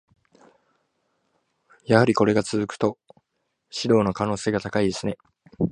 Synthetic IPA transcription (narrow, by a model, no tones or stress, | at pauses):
jahaɾʲiko̞ɾe̞ɡat͡sɨzɨkɯ̟̥t̪o̞ | ɕiɾo̞ːno̞kano̞ːse̞ːɡat̪akaid̪e̞sɨne̞